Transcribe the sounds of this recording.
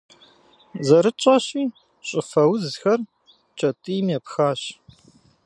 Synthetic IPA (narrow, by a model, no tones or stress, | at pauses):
zɐɾɨt͡ʃʼɐɕiː | ɕʼɪfɐwzxɐr | t͡ʃʼɐtʼɨjmjɛpxaːɕ